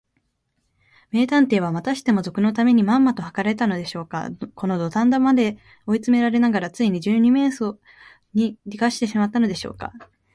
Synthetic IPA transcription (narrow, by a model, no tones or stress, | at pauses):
me̞ːt̪ãnt̪e̞ːβamat̪aɕi̥t̪e̞mo̞zo̞kɯ̟no̞t̪ame̞ɲ̟imãmːat̪o̞hakaɾaet̪ano̞d̪e̞ɕo̞ːka̰ko̞no̞d̪o̞t̪ãnd̪omad̪e̞ | o̞it͡sɨme̞ɾaɾe̞naɡaɾat͡sɨiɲ̟id͡ʑɨːɲ̟ime̞ːso | ɲ̟iɾʲikaɕi̥t̪e̞ɕimat̪ːano̞d̪e̞ɕo̞ːka̰